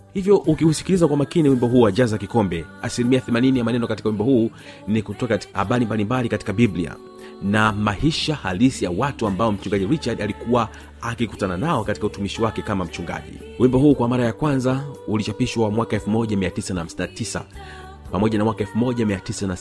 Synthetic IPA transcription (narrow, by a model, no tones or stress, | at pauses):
hivjɔʔukiusi̥kilizakwamakiniwimbɔɦuːwaʄazakikɔmbɛ | asilimiaθɛmaninijamanɛnɔkati̥kauwimbɔhuː | nikutɔati̥aha̰ɓalimbalimbalikati̥kabiblia̰ | namahiʃahalisijawatuambaɔm̩t͡ʃuŋɡaʄiɾit͡ʃaɾdalikuwa | akikutananaɔkatikautumiʃiwakɛkamam̩t͡ʃuŋɡa̰ʄḭ | wimbɔɦuːkwamaɾajakwanzaulit͡ʃapiʃwamwakaɛlfumɔʄamiatisanaham̩sinatisa̰ | pamɔʄanamwakaɛlfumɔʄamiatisana